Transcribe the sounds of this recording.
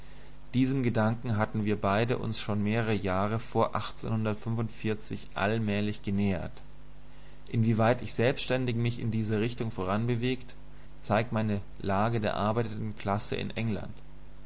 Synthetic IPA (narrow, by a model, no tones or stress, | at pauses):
d̥iːzəmɡədaŋkŋ̩ɦatn̩viːɐbaɪdəʔʊ̰nsʃoːnmeːʁəʁəjaːʁ̞əfoːɐʔaχt͡sḛnhʊndɐtfʏnvʊntfɪɐt͡sɪçʔa̰lmɛːlɪçɡ̥ənɛːɐ̰t | ʔɪnviːvaɪtɪçz̥ɛlpstʃtɛndɪçmɪçɪ̰ndiːzəʁɪçtʊŋfoːʁ̞anbəveːkt | t͡saɪk̚tmaɪnə | laːɡədeːɐʔaɐbaɪtətn̩kl̥asə̰ʔɪ̰nʔɛŋla̰nt